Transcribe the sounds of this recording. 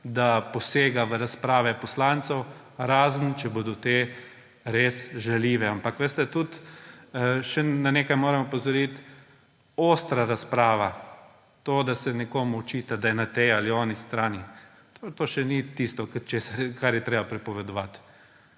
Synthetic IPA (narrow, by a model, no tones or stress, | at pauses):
d̪apɔseːɡaʋəɾaspɾaːʋɛpɔslant̪sɛw | ɾaːzənt͡ʃɛbod̪ɔt̪e | ɾesʒaliːʋɛampakʋest̪ɛt̪ut̪ | ʃɛnaneːkajmoːɾɛmɔpɔzɔɾit̪ | oːst̪ɾaɾaspɾaːʋa | t̪oːd̪asɛnɛkoːmuɔt͡ʃiːt̪ad̪ajɛnat̪ejaliɔːnist̪ɾaːni | t̪ot̪oːʃɛnit̪ist̪ɔkət͡ʃeːsaɾkaɾjɛt̪ɾeːbapɾɛpɔʋɛd̪ɔʋat̪